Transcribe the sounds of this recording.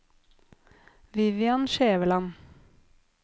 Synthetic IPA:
ʋɪʋjɑnʃeːʋəlɑn

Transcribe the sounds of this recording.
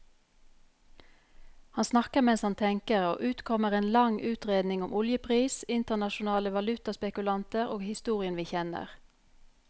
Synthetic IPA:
hɑnsnɑkəʁmɛnshɑnt̪ʰɛŋkəʁo̰ːʔʉːt̪kʰɔməʁeːnlɑŋʔʉːt̪ʁeːd̪nɪŋʊmʔʊljəpʰʁiːsɪnt̪ənɑʃʊnɑːləʋɑlʉt̪ɑspɛkʉlɑnt̪əʁoːɡhɪst̪uːʁɪənʋiːçɛnə̰ʁ

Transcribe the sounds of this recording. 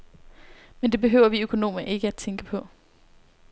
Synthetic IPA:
mend̥e̝b̥e̝ɦø̰ʊ̰ɐʋiøkʰo̝no̝̰ːməʔe̝ɡ̥əæd̥̚t͡sʰeŋɡ̥əpʰɒ̽

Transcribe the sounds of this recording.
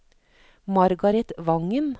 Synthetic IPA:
mɑɾɡɑɾɛt̪ʋɑŋən

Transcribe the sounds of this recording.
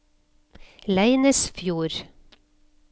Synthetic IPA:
læɪnəsfjuːɾ

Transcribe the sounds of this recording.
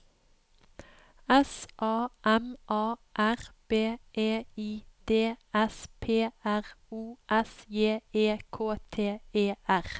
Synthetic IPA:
ɛsʔɑːʔɛmʔɑːʔæʁb̥eːʔeːiːd̪̥eːɛspʰeːæʁuːʔɛsjeːeːkʰoːt̪ʰeːeːʔæʁ

